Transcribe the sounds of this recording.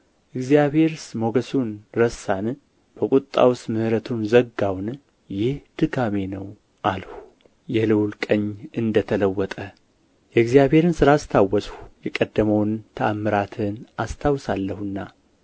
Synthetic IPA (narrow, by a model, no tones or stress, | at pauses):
ʔɨɡzijaβhe̞ɾsmo̞ɡəsunɾəsan | b̥əkʼut̪ʼːa̰wsmɨhɾət̪ʰunzəɡawn | jɪhd̪̥ɨɡame̞nəw | ʔalhu | jɛlɨwlkʼəɲːɨnd̪ət̪ʰələwːɔt̪ʼə | jɛɡzijaβhe̞ɾɨnsɨɾast̪ʰawːɔshjɛkʼəd̪ːəməwnt̪ʰəamːɨɾat̪ʰɨnʔast̪ʰawsalːəhɨnːa